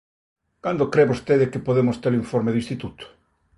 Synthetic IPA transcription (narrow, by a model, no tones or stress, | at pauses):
kand̪okɾeβost̪eðɪkɪpoðemʊst̪eɾĩɱfɔɾmeðuĩst̪it̪ut̪ʊ̥